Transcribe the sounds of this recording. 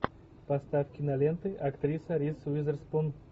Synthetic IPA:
pɐst̪afkʲɪnɐlʲent̪ɨʔɐkt̪ɾʲisɐɾʲisvizərspun

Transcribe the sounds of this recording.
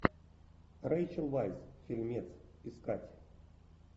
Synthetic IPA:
rajt͡ʃəlˠvajzfʲilʲmʲet̪siskatʲ

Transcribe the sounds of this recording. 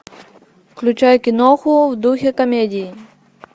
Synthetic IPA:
klʲut͡ʃajɛkʲinɔxuwd̪uxʲɛkɐmʲedʲiji

